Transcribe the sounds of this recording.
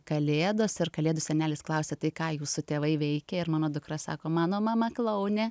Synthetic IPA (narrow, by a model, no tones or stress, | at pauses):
kɐlʲeːd̪oːsɪrkɐlʲeːd̪ʊsʲɛnʲæːlʲɪsklˠɐʊsʲet̪ɐɪkɑːjuːsʊt̪ʲeːʋɐɪʋʲɛɪkʲɛɪɾmɑːnoːd̪ʊkɾɐsɑ̰ːkoːmɑːnoːmɑːmɐklˠɐʊnʲɛ